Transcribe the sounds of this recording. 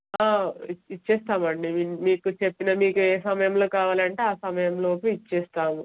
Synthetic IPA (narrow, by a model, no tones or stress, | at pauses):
aːit͡ʃːɛːst̪aːmɐɳɖimiːkut͡ʃe̞pːinɐmiːkueːsɐmɐjɐmlo̞ːkaːʋaːlɐɳʈe̞aːsɐmɐjɐmlo̞ːpuit͡ʃːɛːst̪aːmu